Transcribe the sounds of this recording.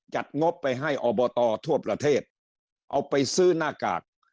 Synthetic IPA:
t͡ɕa˨˩t̪̚ŋo˦˥pːa˧jɦa˥˩jʔɔː˧bɔː˧t̪ɔː˧t̪ʰu˥˩ɐpɾa˧t̪ʰeː˥˩t̪̚ | ʔa̰˧wpa˧jsɯː˦˥˩naː˥˩ka̰ː˨˩k̚

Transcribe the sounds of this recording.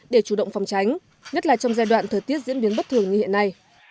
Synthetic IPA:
ɗe˧˩t͡ɕu˧˩ɗə̰˧˨wŋ͡mfa˨˩wŋ͡mt͡ɕa˨˦jŋ̟ | ɲə˦˥t̚laː˨˩t͡ɕɔ˧wŋ͡mzaː˧jɗwa̰ː˧˨nt̪ʰəː˨˩jt̪i˦˥ət̚zḭ˧˥ənɓi˨˦ənɓt̚t̪ʰɨ˧˩əŋɲɨ˧hḭ˧˨ənːa˧j

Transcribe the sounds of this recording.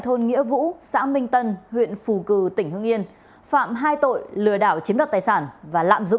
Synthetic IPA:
jt̪ʰo˧nŋḭ˧˥əvṵ˧˥sa̰ː˧˥mï˧ŋ̟t̪ə˧nhwḭ˧˨ənfu˨˩kɨ˨˩t̪ï˩ŋ̟hɨ̰˧əŋʔi˧ən | fa̰ː˧˨mɦaː˧jt̪o̰˧˨jlɨ˨˩əɗaː˧˩wt͡ɕi˨˦ənlə˨˩t̪aː˨˩jsaː˧˩nvaː˨˩la̰ː˧˨mzʊ̰˧˨ŋ͡m

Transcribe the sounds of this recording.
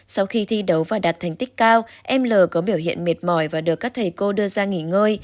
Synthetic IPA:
sa˧wxi˧t̪ʰi˧ɗə˨˦wvaː˨˩ɗa˨˩t̚t̪ʰɛ˨˩ŋ̟t̪ï˦˥k̟̚kaː˧wʔɛ˧mləː˨˩kɔ˨˦ɓi˧˩əwhḭ˧˨ənmi˨˩ət̚mɔ˧˩jvaː˨˩ɗɨ˨˩əkːaː˦˥k̚t̪ʰə˨˩jko˧ɗɨ˧əzaː˧ŋi˧˩ŋəː˧j

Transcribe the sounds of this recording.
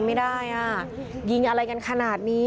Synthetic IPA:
ma˥˩jdaː˥˩jʔa˧˩ | ji˧ŋʔa˧ɾa˧jka˧nkʰa˧naː˨˩t̪̚niː˦˥

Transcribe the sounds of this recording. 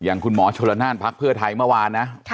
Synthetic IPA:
ja˨˩ŋkʰu˧nmɔː˩˦˥t͡ɕʰo˧la˧naː˥˩npʰa˦˥k̚pʰːɯ˥˩ɐt̪ʰa˧jmɯ˥˩ɐwaː˧nːa˦˥

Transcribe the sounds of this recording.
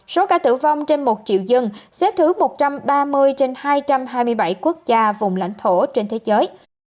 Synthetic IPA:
so˨˦kaː˧˩t̪ɨ̰˧˩va˧wŋ͡mt͡ɕe˧nmo˨˩t̚t͡ɕḭ˧˨wzɨ˧ŋsɛ̰˨˧˥t̪ʰɨ˨˦mo˨˩t̚t͡ɕa˧mɓaː˧mɨ˧əjt͡ɕe˧nhaː˧jt͡ɕa˧mɦaː˧jmɨ˧əjɓa˧˩jku˦˥ək̚zaː˧vʊ˨˩ŋ͡mla̰˧˥jŋ̟t̪ʰo˧˩t͡ɕe˧nt̪ʰe˨˦zəː˨˦j

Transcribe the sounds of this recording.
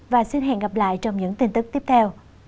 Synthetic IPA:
vaː˨˩si˧nɦɛ̰˧˨nɣa˨˩p̚la̰ː˧˨jt͡ɕɔ˧wŋ͡mɲɨ̰˧˥ŋt̪i˧nt̪ɨ˦˥k̚t̪i˦˥p̚t̪ʰɛ˧w

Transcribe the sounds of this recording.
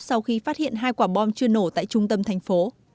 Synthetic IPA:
sa˧wxi˧faː˦˥t̚hḭ˧˨ənɦaː˧jkwaː˧˩ɓɔ˧nt͡ɕɨ˧əno˧˩t̪a̰ː˧˨jt͡ɕʊ˧ŋ͡mt̪ə˧mt̪ʰɛ˨˩jŋ̟fo˨˦

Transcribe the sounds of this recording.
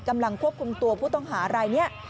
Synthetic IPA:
ka˧mla˧ŋkʰu˥˩əp̚kʰu˧mt̪u˧əpʰuː˥˩t̪ɔ˥˩ŋɦaː˩˦ɾa˧jni˦˥ɐ

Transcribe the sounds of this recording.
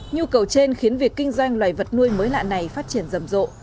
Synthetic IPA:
ɲu˧kə˨˩wt͡ɕe˧nxi˨˦ənvi˨˩əkːï˧ŋ̟zwa˧jŋ̟lwaː˨˩jvə˨˩t̚nu˧əjməː˨˦jla̰ː˧˨nːa˨˩jfaː˦˥t̚t͡ɕi˧˩ənzə˨˩mzo̰˧˨

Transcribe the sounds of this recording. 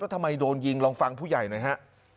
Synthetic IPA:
ɾɔ˦˥t̪ʰa˧mːa˧jdoː˧nji˧ŋlɔː˧ŋfa˧ŋpʰuː˥˩ja˨˩jnaː˧˦˩jɦa˦˥ʔ

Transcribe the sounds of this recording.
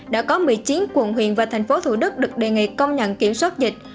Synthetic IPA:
ɗa̰ː˧˥kɔ˨˦mḭ˧˨t͡ɕi˨˦ənkwə̰˨˧˩nɦwḭ˧˨ənvaː˨˩t̪ʰɛ˨˩ŋ̟fo˨˦t̪ʰu˧˩ɗɨ˦˥k̚ɗɨ˨˩k̚ɗe˨˩ŋḭ˧˨kə˧wŋ͡mɲə̰˧˨nki˧˩əmswaː˦˥t̚zï˨˩k̟̚

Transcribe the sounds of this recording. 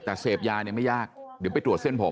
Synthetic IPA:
t̪ɛː˨˩seː˨˩p̚jaː˧ni˧˥˩ma˥˩jaː˥˩k̚di˨˦pa˧jt̪ɾu˨˩ət̪̚se˥˩npʰo˨˦

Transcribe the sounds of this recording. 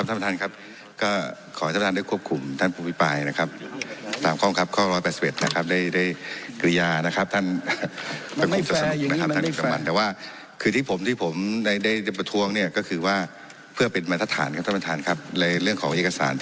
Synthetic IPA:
p̪̚ʰa˥˩pa˧tʰa˥˩nkʰa˦˥p̚ | kɔː˥˩kʰɔː˨˦a˥pa˧a˧nda˥˩jkʰu˥˩əp̚kʰu˧˩mt̪ʰa˥˩npʰuː˧˩pʰi˦˥˩paː˧jna˦˥kʰa˦˥p̚t̪aː˨˩mkʰɔː˥˩˨kʰa˦˥p̚kʰɔː˥˩ɾɔː˦˥jpɛː˨˩si˨˩p̚ʔe˨˩t̪̚na̰˦˧kʰa˦˥p̚da˥˩jda˥˩jkɾi˧jaː˧na˦˥kʰa˦˥p̚t̪ʰa˥˩n | a˧˩pʰi˧˦˩t̪ɔ˨˩sa˧˨˩na˦ka˦pa˥˨k̚ːsa˧˩ma˧nt̪ɛː˨˩waː˥˩ | kʰɯː˧t̪ʰiː˥˩pʰo˩˦mt̪ʰiː˥˩pʰo˩˦mda˥˩jda˥˩jda˥˩jpa˧t̪ʰu˧əŋni˥˩ɐkɔː˥˩kʰɯː˧waː˥˩ | pʰɯ˥˩ɐpe˨nmaː˧t̪ʰa˧˥t̪ʰːa̰ː˩˦nkʰa˧p̚tʰa˥pːt̪ʰaː˧nkʰa˧˦˥p̚lɛ˧ɾɯ˥˩əŋkʰɔː˩˦ŋʔeː˨˩kːa˧sa̰ː˩˦n

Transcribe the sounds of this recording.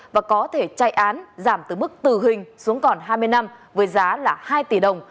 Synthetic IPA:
vaː˨˩kɔ˨˦t̪ʰe˧˩t͡ɕa˧˩jʔaː˨˦nzaː˧˩mt̪ɨ˨˩mɨ˦˥k̚t̪ɨ˨˩ɦï˨˩ŋ̟su˨˦əŋkɔ˨˩nɦaː˧jmɨ˧əjna˧mvəː˨˦jzaː˨˦laː˨˩haː˧jt̪i˧˩ɗə˨˩wŋ͡m

